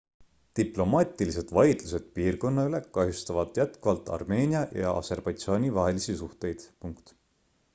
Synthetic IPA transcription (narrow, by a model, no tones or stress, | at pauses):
t̪iplo̞mɑt̪ʲˑilise̞d̪̥vɑjd̪̥luse̞d̪̥̚piːrko̞nːɑyle̞kɑɦjust̪ɑvɑd̪̥jæt̪kuvɑlt̪ːˑɑ̰rme̞ːnʲiɑjɑ̰ɑ̰se̞rb̥ɑjt̪sɑːnʲivɑɦe̞lisisuht̪e̞jd̪̥puŋkt̪